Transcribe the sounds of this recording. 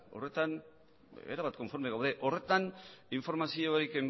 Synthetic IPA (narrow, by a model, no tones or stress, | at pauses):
o̞̰re̞t̪an | ḛɾaβat̪ko̞ɱfo̞ɾmeɣawðe̞ʔo̞re̞t̪aniɱfo̞ɾmasioikem